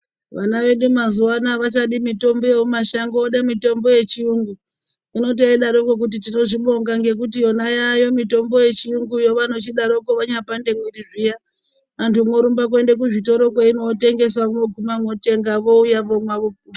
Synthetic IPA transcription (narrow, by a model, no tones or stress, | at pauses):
ʋanaʋe̞ɗumazuwanaʋat͡ʃaɗimito̞mbo̞jeomaʃaŋɡoɗamito̞mbo̞je̞t͡ʃiuŋɡu | ino̞t̬iaiɗaɾokok̬ut̬itino̞ʐiɓo̞ŋɡaŋɡe̞k̬ut̬ijo̞najajo̞mito̞mbo̞je̞t͡ʃiuŋɡujo̞ʋano̞t͡ʃiɗaɾo̞koʋaɲapande̞mwiriʐija | antʰumoɾumbak̬we̞ndek̬uʐito̞ɾo̞kwaino̞te̞ŋɡe̞swakumoɡʱumamo̞te̞ŋɡaʋo̞ujaʋomwaʋopuːi